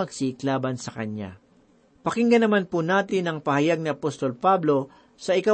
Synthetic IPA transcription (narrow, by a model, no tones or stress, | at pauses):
ɐɡ̚siɪklaːbɐnsɐkɐɲja̰ | pɐkɪŋɡɐnɐmanpunaːt̪ɪnɐŋpɐhɐjaɡ̚nɪʔɐpost̪o̞lpablo̞ | sɐʔɪka